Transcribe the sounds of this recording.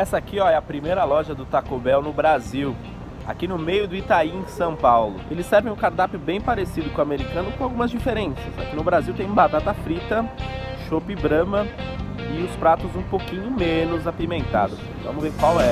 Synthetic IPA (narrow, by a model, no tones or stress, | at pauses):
ɛsɐakiɔɛɐpɾimejɾɐlɔʒɐd̪ʊt̪akobɛwnʊbɾaziw | a̰kinʊmejʊd̪ʊit̪aiẽsɐ̃w̃pawlʊ̰elɪsːɛɾvẽʊ̃kaɾt̪apʊbẽj̃paɾesid̪ʊkʊ̃ameɾikɐ̃nʊkõawɡũmɐzd͡ʒifeɾẽsɐsa̰kinʊbɾaziwt̪ẽj̃bat̪at̪ɐfɾit̪ɐʃopɪbɾɐ̃mɐ | ɪʊspɾat̪ʊzũpokĩɲʊmẽnʊzapimẽnt̪a̰d̪ʊs | vɐ̃mʊzveɾkwawɛ